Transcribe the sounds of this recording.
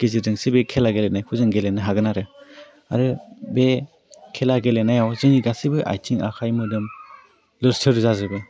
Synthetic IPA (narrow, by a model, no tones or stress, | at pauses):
ɡ̥ezidɯŋsibekʰelaɡelenajkʰuzɯŋɡelenːɯɦaɡɯnaɾɯ | a̰ɾɯbe | kʰelaɡelenajawzɯŋiɡasibɯʔa̰jtʰiŋa̰kʰajmɯdɯm | lɯɾsɯɾzazɯbɯ